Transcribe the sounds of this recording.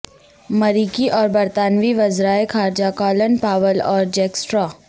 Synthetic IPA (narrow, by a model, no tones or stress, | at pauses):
mɐɾiːkiʔɔːɾbɐɾt̪aːnʋiʋɐzɾaːekʰaːɾd͡ʒakɔːlənpaːʋəlɔːɾd͡ʒɛːksʈɾaː